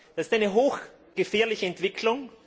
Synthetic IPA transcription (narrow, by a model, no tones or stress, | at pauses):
d̥asɪstaɪnəɦoːx | ɡ̥əfɛːɐlɪçəɛntv̥ɪkʰlʊŋ